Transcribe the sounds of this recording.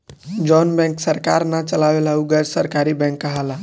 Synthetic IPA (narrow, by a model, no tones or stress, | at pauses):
d͡ʒɔnbɛ̃ŋksəɾkaɾnat͡ʃəlawelauɡəd͡ʒsəɾkaɾibɛ̃ŋkːəɦəla